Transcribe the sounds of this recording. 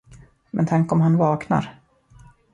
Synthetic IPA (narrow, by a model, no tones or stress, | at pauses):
mɛ̰nt̪ʰaŋkɔmɦanvɑːkna̰ɾ